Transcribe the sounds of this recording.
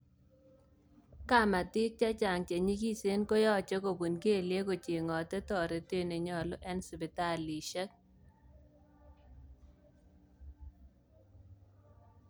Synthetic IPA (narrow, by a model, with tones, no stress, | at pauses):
ka˦ma˨tɪ˦k̚t͡ʃa˦t͡ʃa˨ŋt͡ʃe˨ɲi˦ki˦se˦nko˦jɔ˦t͡ʃɔ˦ko˨bu˨nke˦˨lje˦ko˨t͡ʃe˨ŋɔ˨tɛ˦tɔ˨ɾe˨te˦ne˨ɲɔ˨lɔ˦ʔɛ˦nsɪ˨bɪ˨ta˦li˨ʃɛ˦k̚